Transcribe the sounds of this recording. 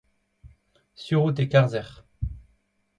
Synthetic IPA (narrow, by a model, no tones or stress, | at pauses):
syʁut̪̬ekaʁzɛʁ